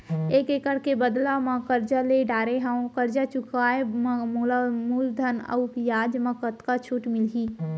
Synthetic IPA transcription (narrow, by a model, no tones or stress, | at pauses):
eːkeːkəɽkebəd̪lamãkəɾd͡ʒaleɖaːɾeɦãːkəɾd͡ʒat͡ʃukʰaːemãmulamuːld̪ʱənə̰wpjaːd͡ʒmãkət̪kat͡ʃʰuʈmɪlɦiː